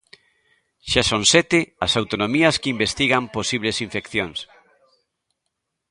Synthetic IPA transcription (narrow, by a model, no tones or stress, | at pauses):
ʃasoŋsɛt̪ɪɐsawt̪onomiɐskimbest̪iɣɐmposiβ̞lesiɱfekθjoŋs